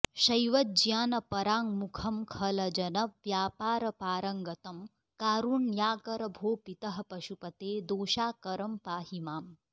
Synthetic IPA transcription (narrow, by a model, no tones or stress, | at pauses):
ʃɐjʋɐt̪̚d͡ʒjaːnɐpɐɾaːŋmukʰɐmkʰɐlɐd͡ʒɐnɐʋjaːpaːɾɐpaːɾɐŋɡɐt̪ɐm | kaːɾuɳjaːkɐɾɐbʱoːpit̪ɐɦɐ̆pɐʃupɐt̪eːd̪oːʃaːkɐɾɐmpaːɦimaːm